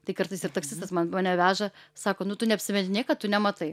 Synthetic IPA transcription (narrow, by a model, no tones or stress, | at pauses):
t̪ɐɪkɐɾt̪ɐɪsɪrt̪ɐksʲɪst̪ɐsmɐnmɐnʲɛʋʲæːʒɐsɑːkoːnʊt̪ʊnʲɛɐpʲsʲɪmʲɛnʲɪnʲiɛkɐt̪ʊnʲɛmɐt̪ɐɪ